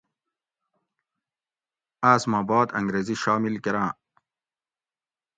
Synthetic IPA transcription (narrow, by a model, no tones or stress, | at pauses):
aːsmãːbɑːd̪ɐ̰̃ŋɡɾeːziɕaːmilkeɾãː